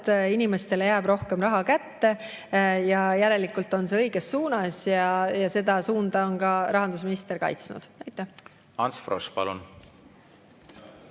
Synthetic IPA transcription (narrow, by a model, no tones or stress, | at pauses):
t̪inime̞st̪e̞lejæːb̥ɾo̞hkemrɑɦɑkæt̪ːe̞ | jɑjæɾe̞likːˑult̪ːˑo̞nse̞ɤjɡ̥esːuːnɑsjɑjɑse̞d̪̥ɑsuːnd̪ɑo̞nkɑɾɑɦɑnd̪̥usminist̪e̞rkɑ̰jt̪snṵd̪̥ɑjt̪ːˑæh | ɑnsfrospɑlṵn